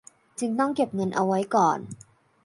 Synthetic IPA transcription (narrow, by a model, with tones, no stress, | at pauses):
t͡ɕɯ˧ŋt̪ɔ˥˩ŋke˨˩p̚ŋɤ˧nʔa˧wa˦˥jkɔː˨˩n